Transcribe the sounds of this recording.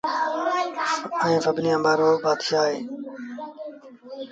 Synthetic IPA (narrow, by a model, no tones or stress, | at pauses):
ɛ̃ːfəbʱnijãːmbaːɾoːbaːd̪ʃaːɦeː